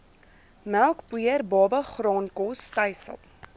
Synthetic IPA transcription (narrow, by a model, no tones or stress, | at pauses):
mælˠkbuərbɑːbəχrɑːnkɔstəjsə̰lˠ